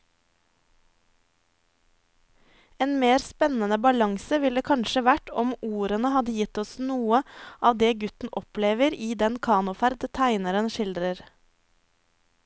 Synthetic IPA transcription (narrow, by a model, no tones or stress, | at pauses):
eːnmeːɾspɛnənəbɑlɑŋsəʋɪld̪eːkʰɑnʃəʋæʈɔmuːɾənəhɑd̪əjɪt̪ɔsnuːəʔɑːʋd̪eːɡʉt̪n̩ʔɔpleːʋəɾiːd̪ɛnkʰɑːnʊfæɾd̪t̪ʰæɪnəɾənʃɪld̪ɾəɾ